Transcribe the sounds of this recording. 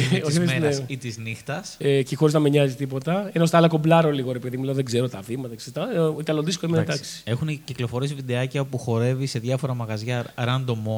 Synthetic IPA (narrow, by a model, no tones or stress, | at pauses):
oseeit̪iznixt̪ɐsecexo̞ɾiznɐmeɲɐzit̪ipo̞t̪ɐenost̪ɐlɐkoblɐɾoliɣo̞ɾepiðimilɐnðeɡze̞ɾot̪ɐfimɐt̪ɐkseɾt̪ɐit̪ɐloðiskoimet̪ɐksi̥e̞xunciklo̞fo̞ɾesvid̪eɐcɐopuxo̞ɾe̞vise̞ðʝɐfo̞ɾɐmɐɣɐzʝɐɾɐnd̪o̞mo